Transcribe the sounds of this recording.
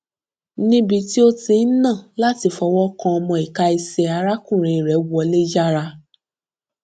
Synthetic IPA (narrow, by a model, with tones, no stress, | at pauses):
nĩ˦bi˧ti˦o˦tĩ˧˦nã˦˨la˦ti˧fɔ˧wɔ˦kã˧ɔ˧mɔ̃˧i˨ka˧i˧sɛ˧a˧ɾa˦kũ˦˨ɾ̃ĩ˨i˨ɾɛ˨˦wɔ˧le˦d͡ʒa˦ɾa˧